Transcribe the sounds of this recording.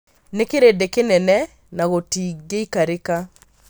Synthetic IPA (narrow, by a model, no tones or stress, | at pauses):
nekeɾedekenɛnɛ | naɣotiɡeikaɾeka